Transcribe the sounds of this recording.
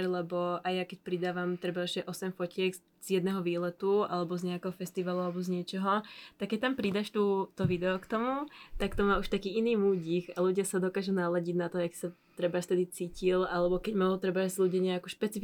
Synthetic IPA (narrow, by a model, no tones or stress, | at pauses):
ɾlɛbɔajakɛc̚pɾid̪aːʋamt̪ɾɛbaɛʒɛʔɔsɛmfɔcɪɛɡ | z̥jɛd̪nɛɦɔʋiːlɛt̪ua̰lɛbɔzɲɛakɛɦɔfɛst̪iʋaluʊalɛbɔzɲɪɛt͡ʃɔɦɔt̪akːɛc̚t̪ampɾid̪aʃt̪ut̪ɔʋid̪ɛɔkt̪ɔmut̪akt̪ɔmaːuʃt̪akiːiniːmuːɟixaluɟɪasad̪ɔkaːʒunaːlaɟiɟnat̪ɔaki̥sat̪ɾɛbafst̪ɛd̪it͡siːcilalɛbɔkɛɟmat̪ɾɛbazluɟaɲɛakuʃpɛt͡sif